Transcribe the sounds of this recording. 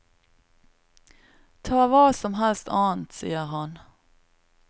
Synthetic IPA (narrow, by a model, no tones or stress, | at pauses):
t̪ʰɑːvɑːsɔmɦɛlst̪ʰɑːnt̪sḭːəɾɦan